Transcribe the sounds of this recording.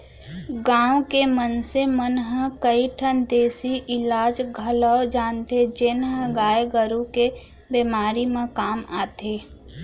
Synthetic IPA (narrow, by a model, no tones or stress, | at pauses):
ɡãːwkemənsemənɦəkəiʈʰənd̪eːsiʔɪlaːd͡ʒɡʱəlɔd͡ʒaːnt̪ed͡ʒenɦə̃ɡaːeɡəɾũke | beːmaːɾimãkaːmaːt̪eː